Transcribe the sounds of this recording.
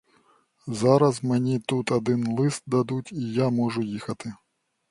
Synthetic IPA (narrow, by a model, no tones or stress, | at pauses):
zaɾɐzmɨnʲit̪ut̪ad̪ɪnlˠɪst̪̚d̪ad̪ut͡sʲijamɔʐʊjixɐt̪ɪ